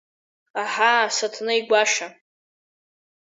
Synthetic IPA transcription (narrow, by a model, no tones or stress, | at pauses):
aħasatʰnɨiɡʷaʂa